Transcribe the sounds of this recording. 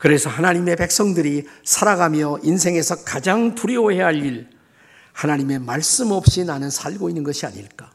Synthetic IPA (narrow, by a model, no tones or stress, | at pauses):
kɯɾe̞sʰʌhanaɲime̞pe̞k̚s͈ʌŋdɯɾisʰaɾaɡamjʌins̬ʰe̞ŋe̞sʰʌkad͡ʑaŋtuɾioɦeɦaʎiɾ | hanaɲime̞maɭs͈ɯmʌp̚ɕ͈inanɯnsʰaɭɡoinːɯnɡʌɕʰiaɲiɭk͈a